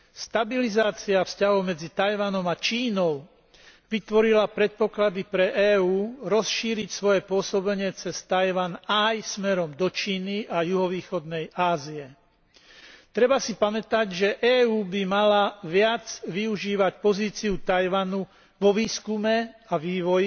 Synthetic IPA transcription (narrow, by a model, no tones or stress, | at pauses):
st̪abilizaːt͡siafscaɦɔʊmɛd͡zit̪ajʋanɔmat͡ʃiːnɔʊ | ʋit̪ʋɔɾilapɾɛt̪̚pɔklad̪ipɾɛʔɛːuːɾɔsʃiːɾicsʋɔjɛpʊɔsɔbɛɲɪɛt͡sɛst̪ajʋanajsmɛɾɔmd̪ɔt͡ʃiːniajuɦɔʋiːxɔd̪nɛjaːziɛ | t̪ɾɛbasipamɛt̪aɟʒɛʔɛːuːbimalaʋɪad͡zʋiuʒiːʋacpɔziːt͡siut̪ajʋanu | ʋɔʋiːskumɛaʋiːʋɔj